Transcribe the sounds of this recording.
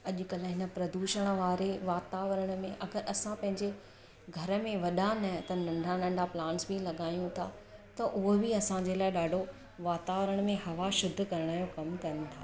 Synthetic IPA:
ɐʄʊ̆kɐl̆ɦɪnə̆pɾɐd̪uːʃəɽ̃̆ʋaːɾeʋaːt̪aːʋəɾəɽ̃̆mẽʔɐɡəɾɐsãpɐ̃ɦɪ̃ɲd͡ʑe | ɡʱɐɾə̆mẽʋɐɗanɐt̪ɐnɐ̃ɳɖʱanɐ̃ɳɖʱaplãːnsbilɐɠaːjũt̪ʰa̰ː | t̪ɐʔʊɦobiɐsãɲd͡ʑelaːɪɗaːɖʱo | ʋaːt̪aːʋəɾəɽ̃̆mẽhɐʋaʃʊd̪ʱːkɐɾəɽ̃aːjokɐmkɐɾənɪ̆t̪ʰa̰ː

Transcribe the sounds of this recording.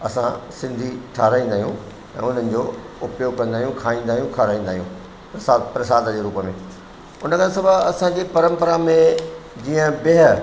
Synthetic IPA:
ɐsãsɪ̃nd̪ʱiʈʰaːɾaːĩːnd̪aːɦijũ | ɛ̰̃ːʊn̤ənɪ̆d͡ʑo | ʊpjoːɡ̚kɐ̃nd̪aːɦijũkʰaːĩːnd̪aːɦijũkʰaːɾaːĩːn̆d̪aːɦijṵ̃ | saːpɾɐsaːd̪əd͡ʑeːɾuːpəmḛ̃ | ʊnəkʰãsɐbʱəɐsãd͡ʑeːpɐɾə̃mpəɾamẽd͡ʑiːə̃bɪɦə

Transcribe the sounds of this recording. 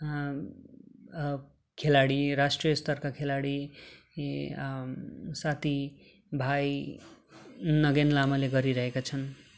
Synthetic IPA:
kʰelaɽiɾasʈrijʌst̪ʌrkakʰelaɽi | sat̪ʰi | bʱaj | nʌɡenlamaleɡʌɾiɾʌɦekat͡sʰʌn

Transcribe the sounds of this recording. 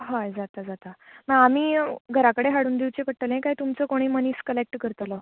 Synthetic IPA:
ɦajd͡zat̪ad͡zat̪aməɡamiːɡʱəɾakəɽeɦaɽuːnd̪iwt͡ɕekəʈəlẽkaɦjt̪umt͡səkoɽ̃iːməniːskəlek̚ʈkəɾt̪ələ

